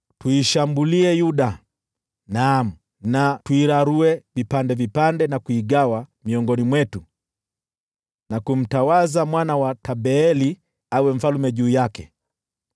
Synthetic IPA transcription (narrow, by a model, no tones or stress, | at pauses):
tuiʃambuliɛjuɗa | nam̩ | natuiɾaɾuɛvipandɛvipandɛnakuiɠawamiɔŋɡɔnimwɛtu | nakum̩tawazamwanawataɓɛɛli | awɛm̩falumɛʄuːjakɛ